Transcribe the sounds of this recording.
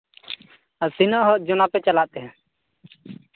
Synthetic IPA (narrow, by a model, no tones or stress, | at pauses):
sinɔʔɦɔʔd͡ʒɔnapɛt͡ʃalaʔt̪ɛɦã